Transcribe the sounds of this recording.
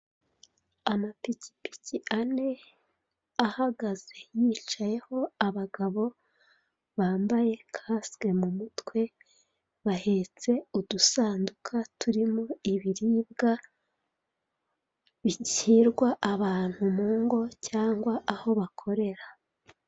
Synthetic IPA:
amapici̥pi̥ciane̞ | ahaɡaze̞jiːt͡ʃaje̞ho̞aβaɡaβo̞ | βaːmbaje̞kʰaːsɡe̞mumutwe̞ | βahe̞t͡se̞udusaːndukʰatʰuɾimo̞iβiɾiːbɡa | βiciɾɡwaʔaβaːn̥humuːŋɡo̞caːŋɡwaʔaho̞βakʰo̞ɾe̞ɾa

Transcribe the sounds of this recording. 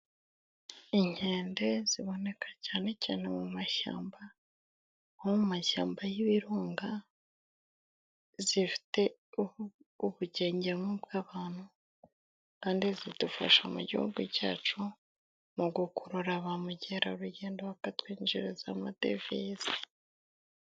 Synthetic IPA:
iɲhe̞ːnde̞z̥iβo̞ne̞kʰḁcaːne̞caːne̞mumaʃa̰ːmba | homumaʃa̰ːmbajiβiɾuːŋɡa | zifi̥te̞ | uβuɟe̞ːɲɟemobɡaːβaːn̥hu | kaːndizidufa̰ʃamṵɟḭhṵɡuca̰ːt͡ʃu | muɡukuɾuɾaβamuɟe̞ɾauɾuɟe̞ːndoβakatwiːnd͡ʒiɾezamade̞̰vezi

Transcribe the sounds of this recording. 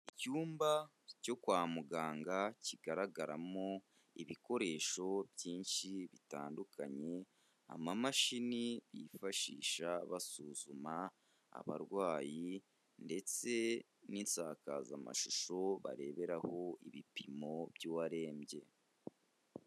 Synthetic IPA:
icuːmba | co̞kwaːmuɡaːŋɡaciɡaɾaɡaɾamo | iβiko̞ɾe̞ːʃo̞bjiːnʃiβita̰ːndukʰaɲe̞ | a̰mamaʃiniβḭfaʃḭːʃaβasuːzuma | a̰βa̰ɾɡwaːji | nde̞t͡se̞ | ninsaːkazama̰ʃuʃo̞βa̰ɾe̞ːβe̞ɾaho̞iβipimo̞βjuwaɾe̞ːmɟe̞̰

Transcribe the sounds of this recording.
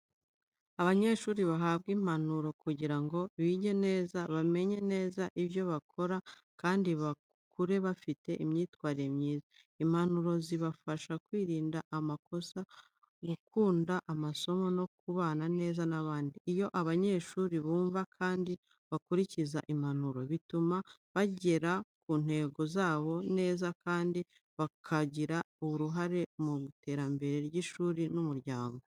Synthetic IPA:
aβaɲe̞ːʃuːɾiβaɦaːβ̚ɡiːm̥hanuɾo̞kuɟiɾaŋɡo̞βiːɟe̞ne̞ːzaβame̞ɲe̞ne̞ːzaʔiβjo̞βakʰo̞ɾa | kaːndiβa | kuɾe̞βafite̞ʔimɲiːtwaːɾiɾe̞mɲiːza | im̥hanuɾo̞ziβafaʃakwiːɾiːndaʔamako̞sa | ɡukuːndaʔamaso̞mo̞no̞kuβaːnane̞ːzanaβaːndiijo̞ʔaβaɲe̞ːʃuːɾiβuːɱvakʰaːndi | βakuɾiciza̰ʔim̥han̥uɾo̞βitumaβaɟe̞ɾakuːn̥he̞ɡo̞zaːβo̞ne̞ːzakʰaːndi | βakʰaɟiɾa | uuɾuɦaɾe̞muɡute̞ːɾambe̞ɾe̞ɾɟiːʃuːɾinumuɾɟaːŋɡo̞

